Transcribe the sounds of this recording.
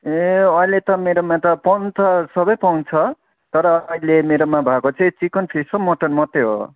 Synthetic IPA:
eʌĩlet̪ʌmeɾomat̪ʌpʌwnt͡sʰʌsʌbʌjpʌwnt͡sʰʌ | t̪ʌɾʌilemeɾʌmabʱakot͡sʰʌj̃t͡sikʌnpʰisʌmʌʈʌnmʌt̪ːeɦo̰

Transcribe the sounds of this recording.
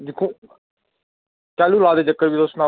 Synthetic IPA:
d͡ʒɪkʰõː | kɛːluːlaːd̪eːd͡ʒəkːəɾbiːd̪osna

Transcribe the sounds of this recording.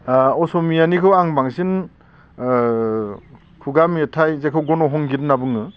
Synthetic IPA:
ɔsɔmijanikʰɯwaŋbaŋsin | kʰuɡamitʰajzekʰɯwɡɔnɔɦɔŋɡidnːabɯŋɯ

